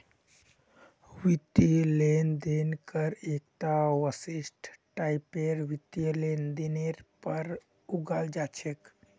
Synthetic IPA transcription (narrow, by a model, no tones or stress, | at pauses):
wit̪ilend̪enkəɾek̚t̪awəsisʈʰʈajpeɾwit̪jlend̪ineɾpəɾ | uɡald͡ʒat͡ʃʰek